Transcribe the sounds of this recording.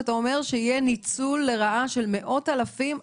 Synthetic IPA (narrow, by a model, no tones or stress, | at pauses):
t̪aomeʁʃeijenit͡sulːe̞ʁaʔaʃe̞lme̞ʔo̞talafim